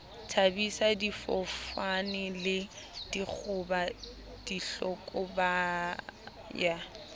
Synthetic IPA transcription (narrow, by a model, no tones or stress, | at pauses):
tʰabisadifɔfanɪlɪd̥ik͡xʰʊba | d̥iɬɔkʼɔba | ja